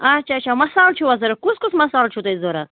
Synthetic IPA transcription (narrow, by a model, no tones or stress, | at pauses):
at͡ʃʰat͡ʃʰamɐsaːlt͡ʃʰuʋɐzɐɾɐkuskusmɐsaːlt͡ʃʰut̪ɐizoɾɐ